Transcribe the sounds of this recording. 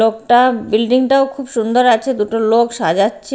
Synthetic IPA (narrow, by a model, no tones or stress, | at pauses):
ok̚ʈabilɖiŋʈaokʰubʃund̪oɾat͡ɕʰed̪uʈolokʃad͡ʑatːɕʰe